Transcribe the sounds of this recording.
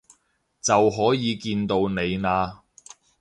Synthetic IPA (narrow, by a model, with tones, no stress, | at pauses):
t͡sɐ˨wɦɔː˨˥jiː˨˧kiː˧nt̪o˧wne˨˧jnaː˧